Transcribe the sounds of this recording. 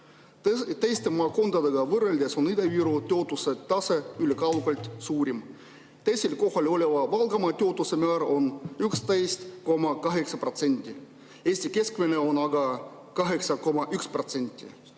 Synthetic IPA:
t̪ejst̪emɑːko̞nd̪ɑd̪eɡ̥ɑvɤrelʲd̪eso̞nid̪ɑviɾot̪ːo̞t̪ːˑuset̪t̪ːɑseylekɑwɡɑlʲt̪ʲsuːɾʲim | t̪ejsʲelko̞hɑlʲo̞lʲevɑvɑlɡ̥ɑmɑt̪ʲeo̞t̪ːˑusemæːɾo̞nykst̪ejst̪ko̞mɑkɑɦe̞ksɑpro̞t̪senʲt̪ʲːi | eːsʲt̪ʲike̞skmeneo̞nɑɡɑ | kɑɦeksɑko̞mɑʔykspro̞t̪senʲt̪ʲːˑḭ

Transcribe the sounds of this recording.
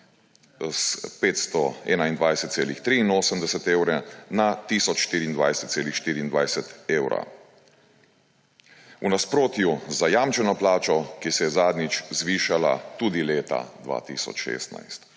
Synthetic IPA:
spet̪st̪ɔɛːnaind̪ʋajsɛt̪seːlixt̪ɾiːnoːsəmd̪ɛsɛt̪eːwɾɛnat̪isɔt͡ʃʃt̪iːɾiːnd̪ʋajsɛt̪seːlixʃt̪iːɾiːnd̪ʋajsɛt̪eːwɾa̰ | unaspɾoːt̪juzajaːmt͡ʃɛnɔplaːt͡ʃɔkisɛjɛzaːd̪nit͡ʃzʋiːʃala̰t̪uːd̪ileːt̪a̰d̪ʋa̰ːt̪ḭːsɔ̰t͡ʃʃḛːst̪na̰jst̪

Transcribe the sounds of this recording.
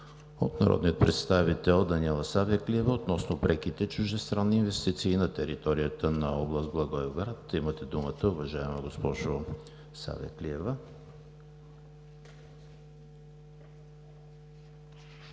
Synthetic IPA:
o̰t̪nɐ̰ɾɔ̰d̪niot̪̚pɾɛt̪st̪avit̪ɛlˠd̪ɐniɛlˠɐsavəkliɛvəot̪nɔsnopɾɛkit̪ɛt͡ʃʊʒd̪ɛst̪ɾanːiinvɛst̪it̪siːnɐt̪ɛɾḭt̪ɔɾijət̪ənɐɔblˠəst̪̚blˠɐɡɔɛɡɾat̪imət̪ɛd̪umət̪əʊvɐʒaɛmɐɡospɔʒo | sa̰vḭɛ̰kliɛvə

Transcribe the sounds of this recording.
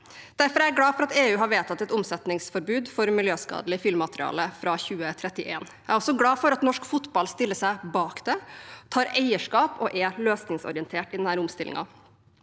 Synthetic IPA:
d̪̥æɾfɔɾææɡɽɑːfɔɾɑt̪eːʉːɦɑɾʋeːt̪ʰɑt̪ːɛt̪ʊmsɛt̪nɪŋsfɔɾbʉːd̪fɔɾmɪljøːskɑ̰ːd̪əlɪfɪlmːɑt̪ɾɪɑ̰ːləfɾɑːçʉːət̪ʰɾɛt̪ːɪʔeːn | æɪɾɔsɔɡlɑːfɔɾɑt̪nɔʂkfʊt̪bɑlst̪ɪlːəsæɪbɑːkd̪ɛt̪ʰɑːɾæɪəʂkɑːpɔʔɛløːsnɪŋsɔ̰ɾɪənt̪ʰeːʈɪd̪ɛnhæːɾʊmst̪ɪlɪ̰ŋɑ̰

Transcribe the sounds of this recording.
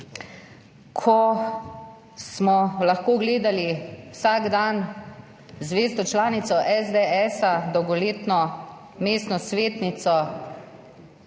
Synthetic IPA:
kʰɔ | smɔlaxkoːɡleːd̪aliwsaɡd̪an | zʋeːst̪ɔt͡ʃlaːnit̪sɔʔɛzd̪eɛsad̪ɔwɡɔleːt̪nɔ | meːst̪nɔsʋeːt̪nit̪sɔ

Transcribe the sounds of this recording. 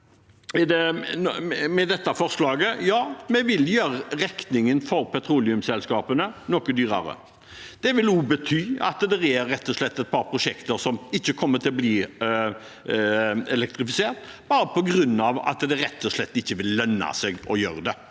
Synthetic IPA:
ɛd̪ɛ | mɛd̪ɛt̪ːɑfɔʁslɑːɡəjɑːmɛʋɪljøːɾəʁɛk̪nɪŋənfɔɾpʰɛt̪ʰɾuːlɪʉmsɛlskɑːpənənɔkəd̪yːɾɑ̰ɾə̰ | d̪̥ɛʋɪluːbət̪ʰyːɑ̰t̪d̪ɛɾɛɾɛt̪ːɔʂɭɛt̪ːɛt̪̚pʰɑɾpʰɾʊʂɛkt̪əɾsɔmɪçːəkʰɔmːət̪ʰɪlɔbliː | ɛlɛk̚t̪ɾɪfɪseːʁt̪b̥ɑːɾəpʰɔɡɾʉnːɑʋɑ̰t̪d̪ɛɾɛt̪ːɔʂlɛt̪ːɪçːəʋɪlːœnːɑ̰sɛɡɔjø̰ːɾəd̪ɛ

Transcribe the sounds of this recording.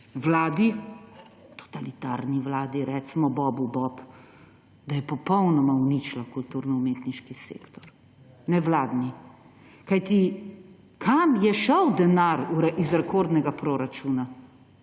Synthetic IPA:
ʋwlaːd̪i | t̪ɔ̥t̪alit̪aɾniʋlaːd̪iɾɛt͡smɔbɔbubɔp | d̪ajɛpɔpɔwnɔmaunit͡ʃlakult̪uɾnɔumeːt̪niʃkisḛːkt̪ɔɾ | nɛʋlaːd̪ni | kajt̪i | kʰamjɛʃɔwd̪ɛnaɾuɾɛizɾɛkoɾd̪nɛɡapɾoːɾat͡ʃuːna

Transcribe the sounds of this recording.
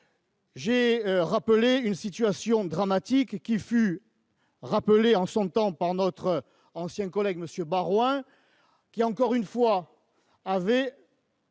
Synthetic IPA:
ʒeʁapəleynsit̪yasjɔ̃d̪ʁamat̪ikːify | ʁapəleɑ̃sɔ̃t̪ɑ̃paʁnɔt̪χə | ɑ̃sjɛ̃kɔlɛɡməsjøbaʁwɛ̃ | kʲiɑ̃kɔʁynfwa | avɛ

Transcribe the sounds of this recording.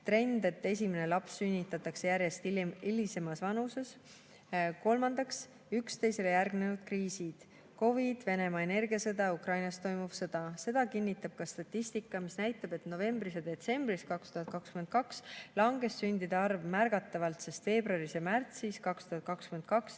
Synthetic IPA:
t̪re̞nd̪̥e̞t̪ːe̞s̬ʲimene̞lɑpsːynʲːit̪ːˑɑt̪ːˑɑkse̞jæɾje̞st̪iilise̞mɑsvɑnuse̞s | ko̞lmɑnd̪̥ɑks | ykst̪e̞jse̞lejærɡne̞nud̪̥̚kriːsid̪̥ | ko̞vid̪̥ve̞ne̞mɑe̞ne̞rɡiɑsɤd̪ɑukrɑjnɑst̪o̞jmuv̥sɤd̪̥ɑse̞d̪̥ɑkinʲːit̪ːˑɑb̥̚kɑst̪ɑt̪ʲːˑisʲt̪ikˑːɑmisnæjt̪ˑːɑb̥e̞t̪no̞ve̞mb̥ɾised̪e̞t̪se̞mb̥iskɑkst̪uhɑt̪̚kɑkskymend̪̥̚kɑkslɑŋɡ̥e̞sːynʲd̪id̪ɑɑrvmærɡ̥ɑt̪ːˑɑvɑlt̪se̞st̪ve̞ːbruɑɾisemært̪siskɑkst̪uɦɑt̪̚kɑkskymend̪̥̚kɑks

